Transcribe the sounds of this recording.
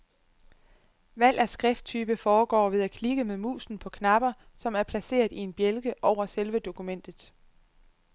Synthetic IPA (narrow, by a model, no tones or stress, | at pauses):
ʋæl̰æsɡ̥ʁɛfd̥̚t͡sʰyːb̥əfɒːɡ̥ɒ̰ːʋe̝ð̞ˠækʰniɡ̥əmeðˠmṵːsn̩pʰɒ̽kʰnɑ̈b̥ɐ | sɒ̽mæɐpʰlæse̝̰ːɐðˠie̝nb̥jelɡ̥əʔɒʊ̰ɐselʋəd̥o̝kʰumen̰d̥ð̩ˠ